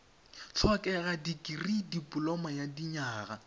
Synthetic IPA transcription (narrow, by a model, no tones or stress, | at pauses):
t͡ɬʰwakʼɛɣadikʼiridipʼʊlɔmajadiɲaːɣa